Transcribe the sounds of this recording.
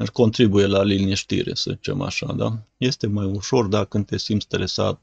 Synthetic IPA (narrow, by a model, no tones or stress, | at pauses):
ɨko̞nt̪ɾibuje̞laliniʃt̪ḭɾḛsəzit͡ʃe̞̰ma̰ʃa̰d̪a̰je̞st̪e̞majuʃo̞rd̪akɨnd̪t̪e̞simt̪st̪əɾesa̰t̪̚